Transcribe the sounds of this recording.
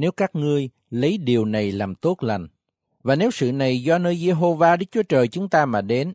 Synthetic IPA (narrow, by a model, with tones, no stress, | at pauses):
ne˨˦wkaː˦˥k̚ŋɨ˧əj | lə˨˦jɗi˨˩əwna˨˩jlaː˨˩mt̪o˦˥t̚la˨˩jŋ̟ | vaː˨˩ne˨˦wsɨ̰˧˨na˨˩jzɔ˧nəː˧jze˧ɦo˧vaː˧ɗɨ˦˥k̚t͡ɕu˨˦ət͡ɕəː˨˩jt͡ɕʊ˨˦ŋ͡mt̪aː˧maː˨˩ɗe˨˦n